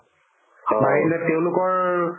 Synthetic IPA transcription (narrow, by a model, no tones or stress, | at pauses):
hɔmailɛteʊ̃lʊkɔɹ